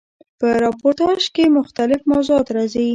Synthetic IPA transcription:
pəɾɑpoɾt̪ɑʃkemʊxt̪alɪfmawzoɑt̪ɾɑzawi

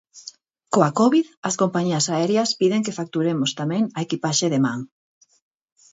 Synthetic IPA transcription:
koakɔβiðɐskompaɲiɐsaɛɾjaspiðeŋkefak̚t̪uɾemost̪amɛ̃ŋaekipaʃeðemãŋ

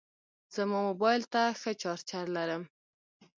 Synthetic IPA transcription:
z̥əmomobɑjlt̪axət͡ʃɑɾt͡ʃaɾlaɾəm

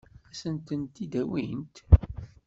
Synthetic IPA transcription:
æsənt̪ənt̪id̪æwint̪

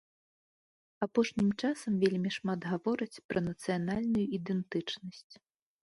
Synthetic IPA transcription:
apɔʂnʲimt͡ʂasɐmvʲelʲmʲiʂmad̪ɣavɔɾɨt͡sʲpɾʔɐnɐt̪sɨjanalʲnujuid̪ɛnt̪ɨt͡ʂnɐsʲt͡sʲ

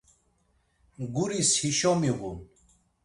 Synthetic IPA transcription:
ɡuɾishiʃɔmiɣun

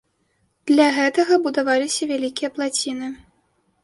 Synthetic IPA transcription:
d̪̥lʲaɣɛt̪ɐɣɐbud̪avalʲisʲɐvʲalʲikʲijɐplˠat͡sʲinɨ

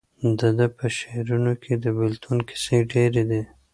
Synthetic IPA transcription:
d̪əd̪əpəʃeɾunokʰed̪əbɪlt̪ʰunkʰɪ̥seɖeɾed̪e

